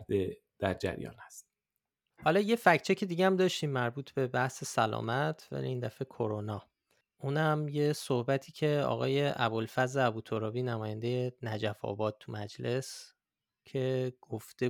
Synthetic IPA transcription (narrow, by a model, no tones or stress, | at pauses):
d̪e | d̪̥æɾd͡ʒæ̰ɾjɒ̰ːnhæst̪ | hɒlɒːje̞fæcʰt͡ʃʰecʰe̞d̪iɟeæmd̪ɒːʃt̪iːmːæɾbuːt̪ʰbe̞bæhse̞sælɒ̰ːmæt̪ʰvæ̰lḭind̪æfe̞kʰo̞ɾonɒː | uːnæmje̞sohbæt̪ʰiːcʰe̞ɒ̰ːɣɒ̰ːje̞ʔæbolfæzɾeæbuːt̪ʰoɾɒːbiːnæmɒːjænd̪e̞jenæd͡ʒæfɒ̰ːbɒːd̪̚t̪ʰumæd͡ʒle̞s | cʰe̞ɡ̥oft̪e